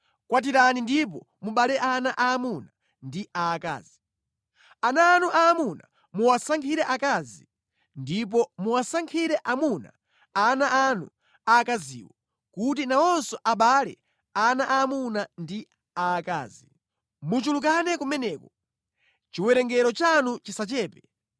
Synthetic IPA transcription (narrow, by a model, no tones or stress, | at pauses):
kwat̬iɾanindip̬ɔ | muɓalɛʔanaʔaːmuna | ndiaka̰ːzi | anaːnuʔaːmuna̰ | muwasaŋkʰiɾɛʔakazi | ndip̬ɔmuwasaŋkʰiɾɛʔamuna̰ | anaanṵ | akazḭːwɔ | kut̬inaɔnsɔʔaɓalɛ̰ | anaʔamunandi | aːka̰ːzi | mut͡ʃulukanɛkumɛnɛːkɔ | t͡ʃiwɛɾɛŋɡɛɾɔt͡ʃanut͡ʃisat͡ʃɛːpɛ